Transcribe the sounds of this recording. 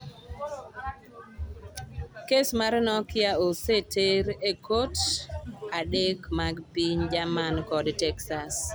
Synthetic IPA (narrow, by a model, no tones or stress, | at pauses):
kesmarnɔkɪaoseteɾekot | adekmaɡpiɲd͡ʒamankɔdtɛksas